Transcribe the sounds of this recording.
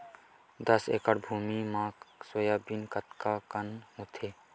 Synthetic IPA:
d̪ɐsḛːkəɽbʱuːmimãːsojaːbinkət̪kakənɦot̪ʰeː

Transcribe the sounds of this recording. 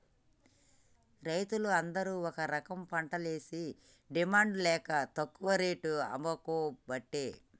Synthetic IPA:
ɾɐjt̪uluɐnd̪ɐɾuːɔkɐɾɐkɐmpɐɳʈɐle̞ːsi | ɖimaːɳɖlɛːkɐt̪ɐkːuʋɐɾeːʈuɐ̰mɐkuːbɐʈːeː

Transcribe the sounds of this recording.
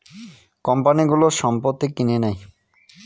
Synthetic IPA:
kɔmpaniɡuloʃɔmpot̪ːikinenaj

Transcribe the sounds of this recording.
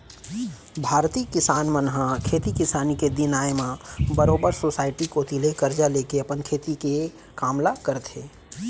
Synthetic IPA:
bʱaːɾt̪iːkɪsaːnmənɦãkʰeːt̪ikɪsaːniked̪ɪnaːjmãbəɾoːbəɾsoːsaːɪʈikot̪ilekəɾd͡ʒaleːkeɐpənkʰeːt̪ike | kaːmlakəɾt̪ʰeː

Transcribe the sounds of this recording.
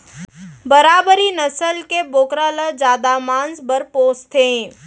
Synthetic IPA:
bəɾaːbəɾinəsəlkeboːkɾaləd͡ʒaːd̪amãːnsbəɾpoːst̪ʰẽː

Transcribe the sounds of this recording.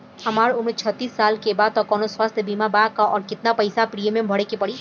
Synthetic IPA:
hɐmaːɾʊmɾt͡ʃʰət̪ːiːsːaːlkebaːd̪̚t̪ɔkɔːnoswəst̪ʰbiːmabaːkaʔɔːɾkɪt̪napɐɪsapɾiemẽbʱəɽekepɐɽiː

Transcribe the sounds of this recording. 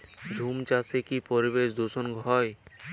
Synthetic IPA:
d͡ʒʱumt͡ɕasekipoɾibeʃ̬d̪osonɡʱɔj

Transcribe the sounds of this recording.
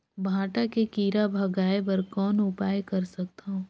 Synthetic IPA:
bʱãːʈakekiːɾabʱɐɡaːepɐɾkɔːnʊpaːjekɐɾsɐk̚t̪aɦũː

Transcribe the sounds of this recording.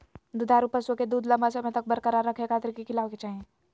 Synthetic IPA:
d̪ud̪aːɾupəswoked̪uːd̪lɐmbasemɛ̃t̪ɐk̚bəɾkəɾaɾəkʰekʰaːt̪ɾkikɪlaːʋket͡ʃaːɦẽ

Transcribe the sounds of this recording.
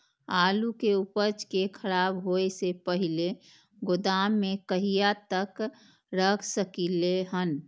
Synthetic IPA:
aːlukeupət͡ʃkekʰəɾaːbɦoesepəɦile | ɡod̪aːmːẽkəɦijat̪ək | ɾəkʰsəkileɦən

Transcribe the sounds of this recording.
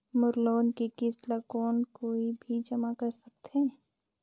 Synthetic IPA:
mʊɾloːnkikɪslakɔːnkoːibʱid͡ʒɐmakəɾsɐk̚t̪ʰe

